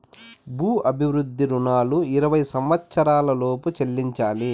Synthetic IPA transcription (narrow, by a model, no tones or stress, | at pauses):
buːʔɐbʱiʋɾud̪ʱːiɾunaːluiɾɐʋɐjsɐmʋɐt̪sɐɾaːlɐloːput͡ʃelːiɲt͡ʃaːli